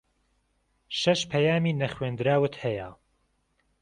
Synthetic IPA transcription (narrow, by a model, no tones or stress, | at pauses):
ʃɐʃpʰɛjaːmiːnɐχweːnd̪ɾaːwɨt̪hɛja̰